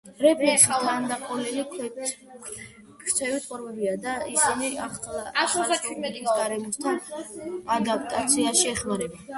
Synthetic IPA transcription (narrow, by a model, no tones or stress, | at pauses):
ɾɛpʰisaand̪aqʼɔlɛlikʰwɛ | kʰɾt̪ʰɛvit̪ʼqʼɔɾvɛbiad̪aisiniaχlt͡ʃ̪ʰt̪ʼsɡaɾɛmɔst̪ʰa | ad̪ap̚ʰʼt̪ʼat̪sʰiaʃiɛχmaɾɛba